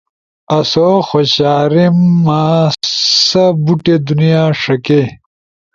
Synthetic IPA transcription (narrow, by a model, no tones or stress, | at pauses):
ɐsoxoɕaːɾimːa | sɐbuʈed̪unijaːʂɐke